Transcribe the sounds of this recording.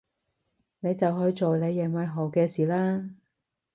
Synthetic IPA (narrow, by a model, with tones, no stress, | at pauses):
ne˨˧jt͡sɐ˨wɦɵ˧jt͡ʃo˨wne˨˧jːɛ˨˩ŋmɐ˨˧jɦo˨˩wkɛː˧siː˨laː˥